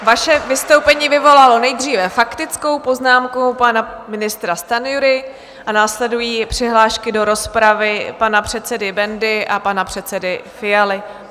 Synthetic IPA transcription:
vaʃɛvɪst̪o̞wpɛɲiːvɪvo̞lalo̞nɛjd̪riːvɛfakt̪ɪt͡sko̞wpo̞znaːmkopanamɪnɪst̪ɾast̪anjuɾɪ | ʔanaːslɛdujiːpr̝̥ɪɦlaːʃkɪdo̞ɾo̞spɾavɪpanapr̝̥ɛt̪t͡sɛdɪbɛndɪʔapanapr̝̥ɛt̪t͡sɛdɪfɪjalɪ

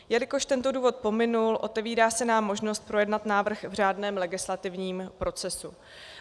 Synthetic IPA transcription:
jɛlɪko̞ʃt̪ɛnt̪o̞duːvo̞t̪̚po̞mɪnulʔo̞t̪ɛviːɾaːsɛnaːmːo̞ʒnost̪̚pɾo̞jɛdnat̪naːvr̩xvr̝aːdnɛːmlɛɡɪslat̪ɪvɲiːmpɾʔo̞t͡sɛsu

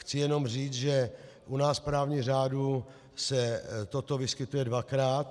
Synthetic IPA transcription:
xt͡sɪjɛno̞mr̝iːt͡sʒɛ | ʔunaːspɾaːvɲiɣr̝aːdu | sɛt̪ot̪o̞vɪskɪt̪ujɛdvakɾaːt̪

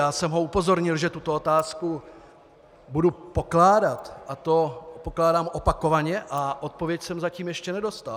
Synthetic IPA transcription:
jaːsɛmɦo̞upo̞zo̞ɾɲɪlʒɛt̪ut̪o̞ot̪aːsku | budupo̞klaːdat̪ʔat̪o̞poklaːdaːmʔo̞pako̞vaɲɛʔaʔo̞t̪̚po̞vjɛcsɛmzaciːmjɛʃcɛnɛdo̞st̪al

